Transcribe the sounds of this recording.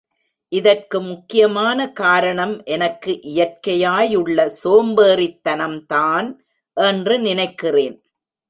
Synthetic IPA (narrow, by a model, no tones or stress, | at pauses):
ʔɪðɐrkɯmʊkːɪjɐmaːnɐkaːɾɐɳɐmʔɛnɐkːɯʔɪjɐr̚kɐjaːjɯɭːɐsoːmbeːrɪt̪ːɐnɐmt̪aːn | ʔɛndrɯnɪnɐɪkːɪreːn